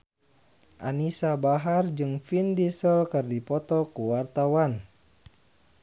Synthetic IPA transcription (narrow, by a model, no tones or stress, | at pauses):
ʔa̰nisabaɦard͡ʒɨŋfindisəlkɨrdipɔt̪ɔkuwart̪awan